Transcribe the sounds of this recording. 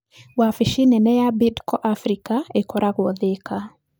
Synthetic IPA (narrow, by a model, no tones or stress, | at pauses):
wafiʃinɛnɛjabidkɔʔafɾikaɛkɔɾʔakwɔðɛka